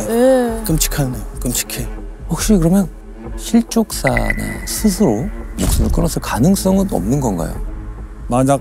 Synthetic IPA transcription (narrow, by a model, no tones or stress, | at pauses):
ekɯmt͡ɕʰi̥kʰaekɯmt͡ɕʰi̥kʰe | ɸwak̚ɕ͈ikɯɾʌmjʌn | ɕʰiɭt͡ɕ͈ok̚s͈a̰na̰sʰɯs̬ʰɯɾomok̚s͈ɯnɯɭk͈ɯnʌsʰʌkanɯŋs͈ʌŋɯnʌ̰mnɯnɡʌnɡa̰jo̰ | maɲa